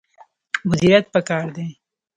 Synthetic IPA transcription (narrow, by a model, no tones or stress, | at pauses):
mʊd̪iɾat̪̚pəkɑːɾd̪e